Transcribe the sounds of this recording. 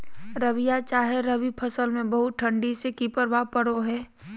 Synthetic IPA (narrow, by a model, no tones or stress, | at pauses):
ɾɐʋijat͡ʃaːɦeɾɐʋipʰəsəlmẽbəɦʊt̪̚ʈʰə̃ɳɖisekipəɾʋapəɽoɦɛː